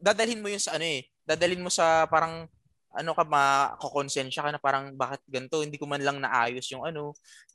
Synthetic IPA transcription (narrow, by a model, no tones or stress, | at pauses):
d̪aːd̪ɐlhɪnmojʊnsɐʔɐno̞ʔɛ | d̪aːd̪ɐlɪnmo̞sɐpaːɾɐŋ | ʔɐ̰no̞kɐmɐkokonsɛnʃɐkɐnɐpaːɾɐŋbaːkɪt̪̚ɡɐnt̪o̞hɪnd̪iːkomanlɐŋnɐʔa̰ːjosjʊŋʔɐno̞